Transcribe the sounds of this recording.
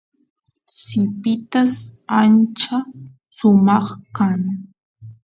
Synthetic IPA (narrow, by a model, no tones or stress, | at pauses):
sɪpɪt̪asant͡ʃa | sʊmɑχkan